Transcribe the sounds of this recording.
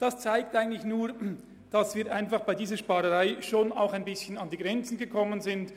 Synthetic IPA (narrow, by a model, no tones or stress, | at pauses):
d̥ɑst͡saɪk̚tʔaɪɡən̩tlɪçnuːɐ | d̥ɑsv̥iːɾʔaɪnfɑχb̥aɪdiːzəʃpɑːʁəʁaɪʃoːna̰ʊxaɪnbɪsçənɑndiːɡʁɛnt͡sn̩ɡəkʰɔmənzɪnt